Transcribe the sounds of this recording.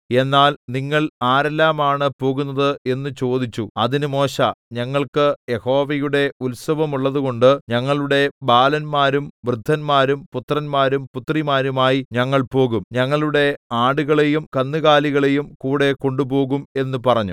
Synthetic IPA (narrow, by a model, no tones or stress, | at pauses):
e̞nːaːlniŋːɐɭaːɾelːaːmaːɳɨpo̞ːɣunːɐðɨe̞nːɨt͡ɕo̞ːd̪it͡ɕːuɐðinumo̞ːɕɐɲɐŋːɐɭkɨjeho̞ːʋɐjuɽe̞ulsɐʋɐmuɭːɐðuɣo̞ɳɖɨɲɐŋːɐɭuɽe̞baːlɐnmaːɾumʋrɨd̪ʱːɐnmaːɾumput̪rɐnmaːɾumput̪rimaːɾumaːjiɲɐŋːɐɭpo̞ːɣumɲɐŋːɐɭuɽe̞aːɽuɣɐɭe̞jumkɐnːɨɣaːliɣɐɭe̞jumkuːɽe̞ko̞ɳɖubo̞ːɣume̞nːupɐrɐɲːu